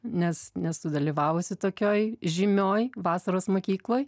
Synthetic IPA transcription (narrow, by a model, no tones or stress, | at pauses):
nʲɛsnʲɛst̪ʊd̪ɐlʲiːʋɑːʋʊsʲɪt̪oːkʲoːjʒʲɪmʲoːjʋɑːsɐɾoːsmoːkʲiːklˠoːj